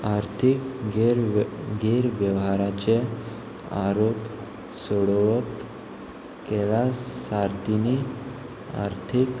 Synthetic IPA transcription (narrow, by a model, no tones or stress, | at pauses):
aɾt̪ʰikɡɾɡeɾʋjəʋɦaɾat͡ɕe | a̰ɾop | soɔɽʋək | kelasaɾt̪ini | a̰ɾt̪ʰik